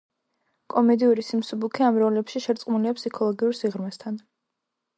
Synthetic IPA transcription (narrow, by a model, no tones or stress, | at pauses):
kʼɔmɛd̪iuɾisimsubukʰiamɾɔlɛpʃiʃɛɾt̪sʼqʼmuliapʰsikʰɔlˠɔɡiuɾsiʁɾmɛst̪ʰan